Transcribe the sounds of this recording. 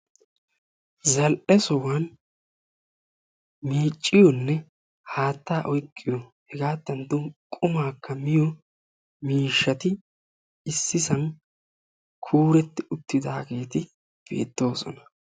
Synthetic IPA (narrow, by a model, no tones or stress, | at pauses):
zɐlʔɛsɔwan | miːt͡ʃʼːɪjɔnːɛ | haːt̪ːaːʔɔjkʼːɪjɔhɛɡaːd̪ːɐnt̪ːʊkʼʊmaːkːɐmɪjɔ | miːʃːɐt̪ɪ | ɪsːɪsɐn | kʰuːɾɛt̪ːɪʊt̪ːɪd̪aːɡe̞ːt̪ɪ | b̥e̞̰ːt̪ːo̞ːsɔnɐ̥